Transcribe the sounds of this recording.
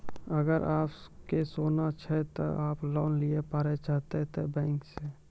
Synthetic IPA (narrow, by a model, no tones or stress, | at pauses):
əɡəɾaːpkesoːnat͡ʃʰɛt̪o̰ʔaːplɔːnliepaːɾet͡ʃaːɦt̪et̪ʰebɛ̃ːŋkse